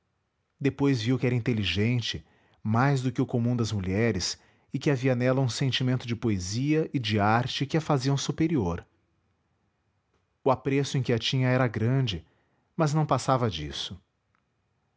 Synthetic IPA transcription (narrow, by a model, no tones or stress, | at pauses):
d̪epojzviwkɪɛɾɐĩnt̪eliʒẽnt͡ʃɪ | majzd̪ʊkɪʊkomũd̪ɐzmuʎɛɾɪs | ɪkɪaviɐnɛlɐũsẽnt͡ʃimẽnt̪ʊd͡ʒɪpoeziɐʔɪd͡ʒɪaɾt͡ʃɪkɪɐfaziɐ̃w̃supeɾioɾ | ʊapɾesʊẽkɪɐt͡ʃĩɲɐɛɾɐɡɾɐ̃d͡ʒɪ | mɐznɐ̃w̃pasavɐd͡ʒḭsʊ